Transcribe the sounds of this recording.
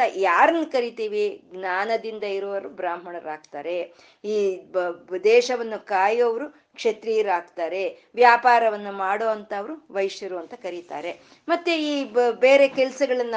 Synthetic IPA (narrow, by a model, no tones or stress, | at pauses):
ɐjaːɾɐnːukɐɾit̪iːʋiɡnaːnɐd̪ind̪ɐiɾoːʋɐɾubɾaːmɦɐɳɐɾaːɡt̪aːɾe̞ | iː | d̪ɛːʃɐʋɐnːukaːjoːʋɐɾu | kʂet̪ɾiːɾaːɡt̪aːɾe̞ | ʋjaːpaːɾɐʋɐnːumaːɽoːɐnt̪ɐːʋɐɾuʋɐjʃjɐɾoɐnt̪ɐkɐɾit̪a̰ːɾe̞ | mɐt̪ːeiːbe̞ːɾe̞kɛlɐsɐɡɐɭɐnː